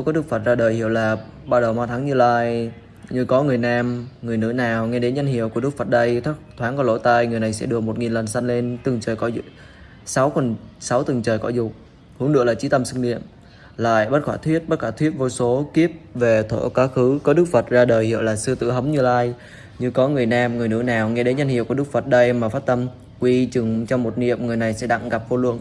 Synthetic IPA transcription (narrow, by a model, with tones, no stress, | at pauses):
kɔ˨˦ɗɨ˦˥k̚fə˨˩t̚zaː˧ɗəː˨˩jhḭ˧˨əwlaː˨˩ | ɓaː˧wɗə˨˩wmaː˧t̪ʰa˨˦ŋɲɨ˧laː˧j | ɲɨ˧kɔ˨˦ŋɨ˨˩əjnaː˧mŋɨ˨˩əjnɨ̰˧˥naː˨˩wŋɛ˧ɗe˨˦nɲa˧ŋ̟hḭ˧˨əwku˧˩əɗɨ˦˥ək̚fə˨˩t̚ɗə˧jt̪ʰa˦˥k̚t̪ʰwaː˨˦nkɔ˧˦lo̰˧˥˩t̪aː˧jŋɨ˨˩əjna˨˩jsɛ̰˧˥ɗɨ˨˩ək̚mo˨˩t̚ŋi˨˩nlə˨˩nsa˧jnle˧nt̪ɨ˨˩ŋt͡ɕəː˨˩jkɔ˧˦z̰̚ | sa˨˦wkə˨˩nsa˨˦wt̪ɨ˨˩ŋt͡ɕəː˨˩jkɔ˧˩zʊ˨˩k͡p̚ | hɨ˨˦əŋɗɨ̰˧˩əlaː˨˩t͡ɕi˨˦t̪ə˧msɨ˧ŋɗḭ˧˨əm | la̰ː˧˨jɓə˦˥t̚xwaː˧˩t̪ʰwi˦˥ət̚ɓa˦˥t̚xwaː˧˩t̪ʰwi˦˥t̚vo˧jso˨˦ki˦˥əp̚ve˨˩t̪ʰo̰˧˩kaː˨˦xɨ˨˦kɔ˨˦ɗɨ˦˥k̚fə˨˩t̚zaː˧ɗəː˨˩jhḭ˧˨əwlaː˨˩sɨ˧ət̪ɨ̰˧˨ɦə˨˦ŋ͡mɲɨ˧laː˧j | ɲɨ˧kɔ˨˦ŋɨ˨˩əjnaː˧mŋɨ˨˩əjnɨ̰˧˥naː˨˩wŋɛ˧ɗe˨˦nɲə˧nhḭ˧˨kk̚fə˨˩t̚ɗə˧jmaː˨˩faː˦˥t̚t̪ə˧m | kwi˧t͡ɕɨ˨˩ŋt͡ɕɔ˧wŋ͡mmo˨˩t̚nḭ˧˨əmŋɨ˨˩əjna˨˩jsɛ̰˧˥ɗa̰˧˨ŋɣa˨˩p̚vo˧lwɨ̰˧˨ən